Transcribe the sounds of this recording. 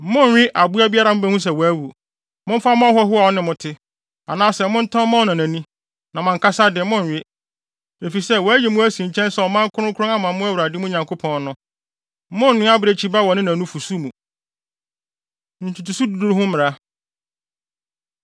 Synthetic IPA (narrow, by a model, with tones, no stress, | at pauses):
mʊ̃˦˨ɥᶣɪ˦ʔa˨bʊ˦a˦bi˦a˦ɾa˨mʊ̃˦bɛ̃˦hũ˦s̬ɛ˨wɔ˨æ˦wu˨ | mʊ̃˦m̩˦fa˦mʊ̃˦a˦ɦɔ˦ɦʊ˦a˨ɔ˦nɪ̃˨mʊ̃˨tʰɪ˦ | a̰˨nãː˦sɛ˨mʊ̃˦n̩˦tʰɔ̃˦mã˦ɔ˨nã˨næ̃˨nĩ˦ | nã˨mã˨ŋ̩˨kʰa˦sa˦dɪ˨ɛ˨˦mʊ̃˦˨ɥᶣɪ˦ | e˨fi˨sɛ˦wɔ˨æ˦jɛ˨mʊ̃˦æ˦sĩ˨ɲ̩˨t͡ɕʰɛ̃˦n˦sɛ˦ɔ˨mã˦ŋ˦kʰʊ˦ʊ̃˦kʰʊ˦ɾʊ̃˦ã˦mã˨˦mʊ̃˦æ˦wʊ˨ɾa˨dɪ˦mũ˦ɲã˨ŋkʰo˦pʰɔ̃˨n˦nʊ̃˦ | mʊ̃˦n̩ː˨ɪ̃˦a˦bɾe˨t͡ɕʰi˦ba˦wɔ˨nɪ̃˦nã˨nũ˦fu˨su˦mũ˨ | n̩˨tʰu˨tu˨su˦du˨du˦ɾɦʊ̃˦mɪ̃˨ɾa˦